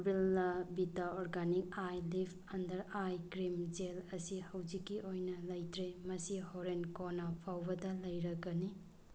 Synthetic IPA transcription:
bilnɐbitaoɾɡanik̚ajlipʰɐndɐɾajkɾimd͡ʒelɐsihɐwd͡ʒikːiʔojnɐlɐjtʰɾemɐsihoɾenkonɐpʰawbɐdɐlɐjɾɐɡɐni

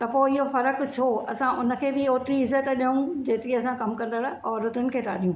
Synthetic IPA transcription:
t̪ɐpoːɪɦofɐɾəkt͡ɕʰoːɐsãʔʊnə̆kʰeːbɪoːʈɾiɪzət̪ɐɗiɦũd͡ʑeːt̪ɪɾiɐsãkɐmkɐ̃nd̪əɽaɔːɾʊt̪ʊnɪ̆kʰeːtʰa̰ːɗijũ

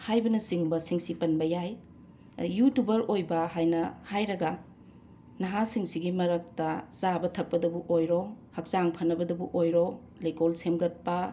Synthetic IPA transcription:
hajbɐnɐsiŋbɐsiŋsipɐnbɐjaj | jutubɐɾojbɐhajnɐhajɾɐɡɐ | nɐɦasiŋsiɡimɐɾɐk̚tɐsabɐtʰɐk̚pɐdɐbuʔojɾohɐk̚saŋpʰɐnːɐbɐdɐbuʔojɾo | lejkolsemɡɐt̚pɐ

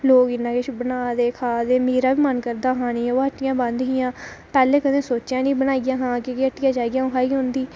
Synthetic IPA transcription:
loːkɪnãːket͡ʃbənaːd̪eːkʰaːd̪eːmeːɾaːʋiːmənkəɾd̪aːɦãːnĩːoːəʈːɪjãːbə̃nd̪ɦijãːpɛːleːkəd̪ẽːsoːt͡ʃjãːnĩːbənaːiɡjãːɦãːkekeəʈːɪjãːd͡ʒaːiɡjãːõkʰaːiːɦʊnd̪iː

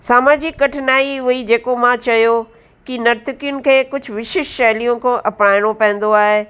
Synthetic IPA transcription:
saːmaːd͡ʑikɐʈʰɪnaːiɦʊid͡ʑeːkomãt͡ɕɐjo | kinɐɾt̪ɪkijʊnɪ̆kʰeːkʊd͡ʑʱʊʋɪʃɪʃːɐːlijõkʰõʔɐpnaːɪɽ̃opɐ̃ɦə̃n̆d̪oaːɦe

